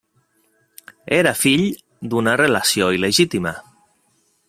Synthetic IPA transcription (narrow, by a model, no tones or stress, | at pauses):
eɾafiʎ | d̪unarelasjoileʒit̪ima